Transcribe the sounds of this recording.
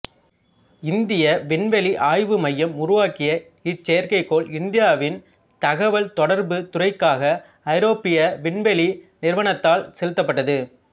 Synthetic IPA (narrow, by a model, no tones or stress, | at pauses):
ɪnd̪ɪjɐʋɪɳʋɛliʔaːjʋɯmɐjːɐmʊɾɯʋaːkɪjɐ | ɪt͡ʃːɛjɐɾkɐɪkːoːlɪnd̪ɪjaːʋɪn | t̪ɐɣɐʋɐlt̪ɔɽɐɾbɯt̪ʊrɐɪkːaːɣɐː | ɪɾoːpɪjɐʋɪɳʋɛlinɪɾʋɐɳɐt̪ːaːlsɛlɯt̪ːɐpːɐʈːɐðɯ